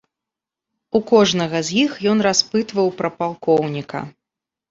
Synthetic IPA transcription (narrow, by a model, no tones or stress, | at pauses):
ukɔʐnɐɣɐzʲjixjɔnraspɨt̪vɐwpɾɐpalˠkɔwnʲikɐ̰